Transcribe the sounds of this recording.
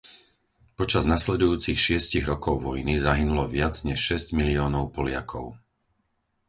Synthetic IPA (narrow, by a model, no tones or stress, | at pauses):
pɔt͡ʃaznaslɛd̪ujuːt͡sixʃɪɛsciɣɾɔkɔʊʋɔjnizaɦinulɔʋɪad͡zɲɛʃʃɛzɟmiliɔːnɔʊpɔlɪa̰kʰɔ̰ʊ